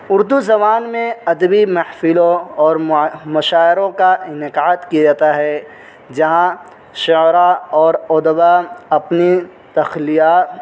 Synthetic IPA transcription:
ʊɾd̪uzɐβaːnmẽɐd̪əbimɐhfɪlõɔːɾmɐʃaːɪɾõkaɪnɪkaːt̪kid͡ʒaːt̪aɦɛ | d͡ʒɐɦã | ʃʊɾaɔːɾoːd̪baɐpni | t̪ɐxlijaːt̪

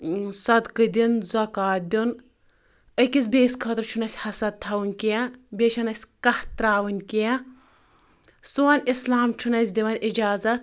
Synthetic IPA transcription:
sɐd̪kɨd̪ʲinzɐkaːd̪ʲun | əkʲisʲbʲeːsʲkʰɐt̪ɾt͡ʃʰunɐsʲhɐsɐd̪̚t̪ʰɐwɨnʲkijɐbʲeːʃɐnɐsʲkɐht̪ɾaːwɨnʲkiɛ | suɐnʲislaːmt͡ʃʰunɐs̬ʲd̪ʲiʋɐnʲʔid͡ʒaːzɐt̪̚

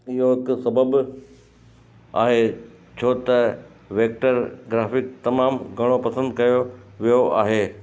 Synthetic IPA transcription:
ɪɦoɪksɐbəb | a̰ːɦe | t͡ɕʰoːt̪ɐ | ʋeːk̚ʈəɾɡɾaːfɪk̚t̪ɐmaːmɡʱɐɽ̃opɐsə̃nd̪kɐjoʋijoʔaːɦeː

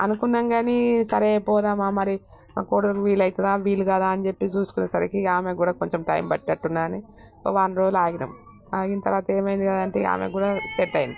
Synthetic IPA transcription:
ɐnukunːɐŋɡaːnisɐɾeːpɔːd̪aːmaːmɐɾi | akoːɽuʋiːlːɐjt̪ɐd̪aːʋiːluɡɐd̪aːɐnit͡ʃe̞pːit͡ʃuːsu̥kunesɐɾekiaːmeːɡuːɽaːkoɲt͡ʃemʈɐ̰jmbɐʈːiɐʈːunːaːɐni | o̰ːʋaːnɾoːd͡ʒlaːɡinɐm | aːɡint̪ɐɾʋaːt̪ɐe̞ːmɐjind̪ikɐd̪ɐɳʈḛa̰ːmḛːɡuːɽaːseʈːɐjini

